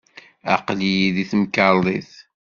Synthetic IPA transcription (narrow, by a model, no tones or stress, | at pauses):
ɑ̰qlijiðiθəmkəlˤiθ